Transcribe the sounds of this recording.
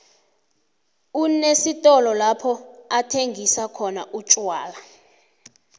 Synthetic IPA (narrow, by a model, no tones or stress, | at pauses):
unesitʼɔlɔlapʰɔatʰeŋɡʱisakʰɔnaʔut͡ʃʼwaːla